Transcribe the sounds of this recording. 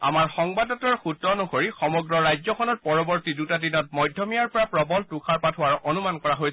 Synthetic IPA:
a̰maɹxɔŋbadɔtɔɹxutːɔnɔkoɹixɔmɔɡɹɔɹajzɔkʰɔnɔt̚pɔɹɔbɔɹtidutadinɔtmɔjdʱːɔmijaɹpɔɹapɹɔbɔltukʰaɹpatʰɦʊwaɹonumankɔɹaɦojs

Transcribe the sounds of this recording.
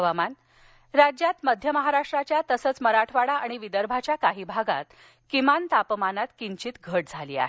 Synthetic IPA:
ʋaman | ɾad͡ʑjat̪məd̪ʱjəməɦaɾaʂʈɾat͡ɕjat̪əsət͡sməɾaʈʰʋaɽaaɽ̃iʋid̪əɾbʱat͡ɕjakaɦiːbʱaɡa̰t̪ | kimant̪apmanat̪kiɲt͡ɕiːt̪ɡʱəʈd͡zʱalḭːa̰ɦe

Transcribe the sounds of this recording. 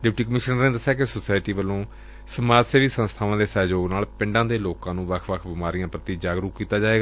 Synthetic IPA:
ɖɪpʈiːkəmɪʃnəneːd̪əsːjɛːkɪsoːsaːɪʈiːʋəlõː | səmaːd͡ʒseːʋiːsənst̪ʰaːʋãːd̪eːsɛːd͡ʒoːɡnaːlpɪ̃ɳɖãːd̪eːloːkãːnũːʋəkʰʋəkʰbɪmaːɾijãːpɾət̪iːd͡ʒaːɡɾukkːiːt̪aːd͡ʒaːeːɡaː

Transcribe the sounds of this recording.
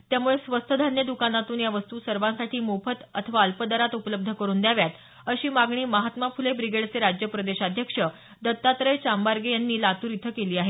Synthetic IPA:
t̪jamuɭesʋəst̪ʰəd̪ʱanjəd̪ukanat̪uːnjaʋəst̪uːsəɾʋãsaʈʰiːmopət̪ət̪ʰəʋaəlpəd̪əɾat̪upələb̚d̪ʱəkəɾuːnd̪jaʋjat̪ | əɕiːmaɡɳiːməɦat̪mafulebɾiɡeɽt͡seɾad͡ʑjəpɾəd̪eɕad̪ʱjəkʂə | d̪ət̪ːat̪ɾəjt͡ɕambaɾɡejanːiːlat̪uːɾit̪ʰəkeliːaɦe

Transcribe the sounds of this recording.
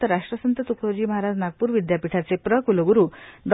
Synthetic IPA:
t̪əɾaʂʈɾəsənt̪ət̪ukʰod͡ʑiːməɦaɾad͡znaɡ̚puːɾʋid̪japiʈʰat͡sepɾəkuloɡuɾuːd̪

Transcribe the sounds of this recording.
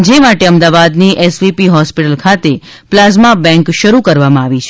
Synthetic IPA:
d͡ʒemaʈeəmd̪aʋad̪niʔɛsʋipiɦɔspiʈəlkʰat̪e | plazmabɛ̃ŋkʃəɾukəɾʋamãaʋit͡ʃʰ

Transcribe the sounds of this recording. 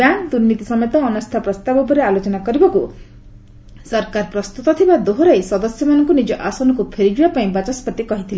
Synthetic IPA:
baŋkd̪uɾnit̪isɔmet̪ɔːnɔst̪ʰapɾɔst̪abɔpɔɾealot͡ʃɔnakɔɾibɔku | sɔɾkaɾpɾɔst̪ut̪ɔt̪ʰibad̪oɦoɾajsɔd̪ɔsjɔmanɔŋkunid͡ʒɔʔasɔnɔkupʰeɾid͡ʒubapaĩbat͡ʃaspɔt̪ikɔɦit̪ʰile

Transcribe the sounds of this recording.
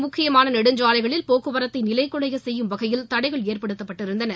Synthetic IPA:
mʊkʰːɪjɐmaːnɐnɛɽɯɲd͡ʒaːlɐɪɣɐɭɪlpoːkːɯʋɐɾɐt̪ːɐɪnɪlɐɪkːʊɽɐjɣɐsɛjːɯmʋɐɣɐjɪlt̪ɐɽɐɪɣɐɭeːrpɐɽɯt̪ːɐpːɐʈːɪɾɯnd̪ɐnɐ

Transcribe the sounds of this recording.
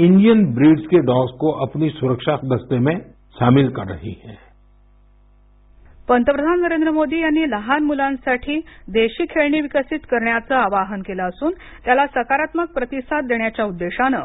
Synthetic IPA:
ɪ̃ɳɖijənbɾiːɖskeɖɔːskoʔɐpnisuɾəkʃad̪əst̪emẽ | ʃaːmɪlkəɾːɐɦḭhɛ̃ː | pənt̪əpɾəd̪ʱannəɾend̪ɾəmod̪iːjanːiləɦanmulãnsaʈʰiːd̪eɕiːkʰeɭɳiːʋikəsit̪kəɾɳjat͡səaʋaɦənkelaəsuːn | t̪jalasəkaɾat̪mək̚pɾət̪isat̪̚d̪eɳjat͡ɕjaud̪ːeɕanə

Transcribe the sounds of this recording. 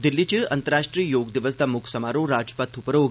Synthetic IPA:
d̪ilːit͡ɕeɐnt̪əɾaʂʈɾijjoːɡd̪iʋəsd̪amukʰsəmaɾoɾad͡ʒpat̪ʰupəɾoɡ

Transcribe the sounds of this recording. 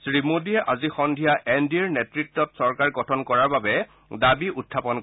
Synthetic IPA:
sɹimodiɛʔazixɔndʱijaʔɛndiɹnɛtɹitːɔtsɔɹkaɹɡɔtʰɔnkɔɹaɹbabɛ | dabiʔutʰːapɔnk

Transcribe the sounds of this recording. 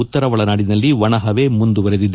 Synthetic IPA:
ut̪ːɐɾɐʋɐɭɐnaːɽinɐlːiʋɐɳɐɦɐʋe̞ːmund̪uʋɐɾed̪id̪ːe

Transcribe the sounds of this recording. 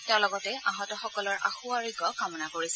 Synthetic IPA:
tɛʊ̃lɔɡɔtɛʔaɦɔtɔxɔkɔlɔɹʔa̰xuaɹiɡɔkamɔnakoɹisɛ

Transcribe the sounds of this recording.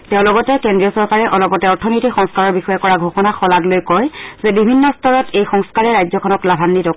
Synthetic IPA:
tɛʊ̃lɔɡɔtɛkɛndɹijɔsɔɹkaɹɛʔɔlɔpɔtɛɔɹtʰɔnojtixɔŋskaɹɔɹbixɔjɛkɔɹaɡʱoxɔnaxɔlaɡlojkɔjzɛbibʱinːɔstʰɔɹɔtejxɔŋskaɹɛɹajzɔkʰɔnɔklabʱanːitɔ

